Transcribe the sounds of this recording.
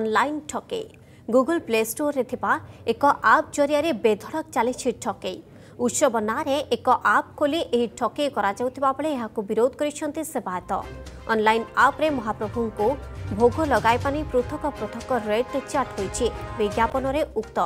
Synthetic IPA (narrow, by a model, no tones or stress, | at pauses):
ɔnlajnʈʰɔkḛj | ɡuɡulplesʈoɾːet̪ʰibaekɔʔap̚d͡ʒoɾiaɾebed̪ʱɔɽɔk̚t͡ʃalit͡ʃʰiʈʰɔkej | ut̪ʃɔbɔnaɾeʔekɔʔap̚koliʔejʈʰɔkejkɔɾad͡ʒawt̪ʰibabɔɭeːɦakubiɾod̪̚kɔɾiʃʰɔnt̪isebat̪ɔ̰ɔ̰nlajnapɾemɔɦapɾobʱuŋkubʱoɡolɔɡajpanipɾot̪ʰɔkɔpɾot̪ʰɔkːɔɾeɖtet͡ʃaɾʈɦojt͡ʃʰibiɡjapɔnɔɾeʔukt̪ɔ